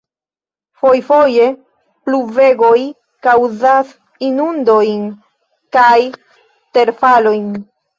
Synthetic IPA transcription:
fo̞jfo̞je̞ | pluve̞ɡo̞j | kawzas | inundo̞jn | kaj | te̞ɾfalo̞jn

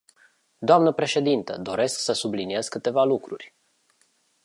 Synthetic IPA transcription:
d̪oamnəpɾe̞ʃe̞d̪int̪ə̰d̪o̞ɾe̞sksəsublinie̞z̥kɨt̪e̞valukɾurʲ

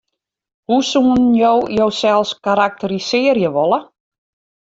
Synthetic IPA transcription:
husuːnjowjowsɛlˠskaɾak̚tərisɪərjəʋɔlˠə

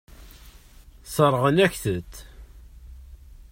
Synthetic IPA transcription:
səɾˤːʁənæçθət̪ː

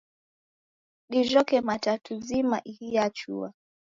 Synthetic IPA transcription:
ɗiʒɔkɛmatatʰuzimaʔihijat͡ʃṵa

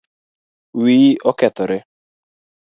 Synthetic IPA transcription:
wiʔɔkɛt̪ɔɾɪ

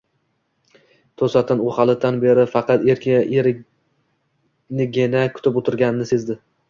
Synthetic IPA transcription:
t̪ʰosat̪ʰɪnʊhɑlˠɪt̪ːanbeɾɪfɑqʰɑt̪eɾkʲʰɪʔeɾɪ | nɪɡʲenakʰʊ̥t̪ʰɪpot̪ʰɪɾɡʲanɪnɪse̞zd̪ɪ

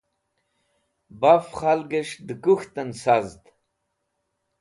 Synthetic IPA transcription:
bafχalɡəʂd̪ɨkuxt̪ənsazd̪

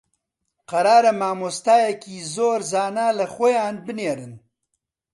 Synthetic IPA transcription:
qɐɾɑːɾɐmaːmost̪aːjakizoːɾzɑːnaːlɐxojɑːnbəneːɾɨn

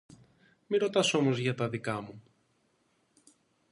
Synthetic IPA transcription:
miɾo̞t̪ɐso̞mo̞zʝɐt̪ɐðikɐmu

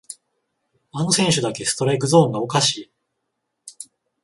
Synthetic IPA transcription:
ano̞sẽ̞ɰ̃ɕɨd̪ake̞sɨ̥t̪o̞ɾe̞kɯ̟zõ̞ːŋɡao̞kaɕiː

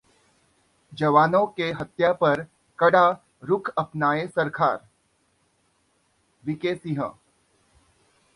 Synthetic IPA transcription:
d͡ʒɐʋaːnõkeɦɐt̪japɐɾ | kɐɽa | ɾʊkʰɐpnaːesɐɾkʰaːɾ | ʋɪkeːsiɦə̰̃

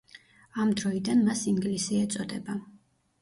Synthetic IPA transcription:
amd̪ɾɔid̪anmasiŋɡlisiɛt̪sʼɔd̪ɛba

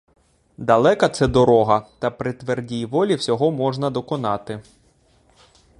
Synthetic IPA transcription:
d̪ɐlˠɛkɐt̪sɛd̪ɔɾɔɦɐt̪ɐpɾɪt̪ʋerdʲijʋɔlʲiwsʲɔɦɔmɔʒnɐd̪ɔkɔnɑt̪ɪ

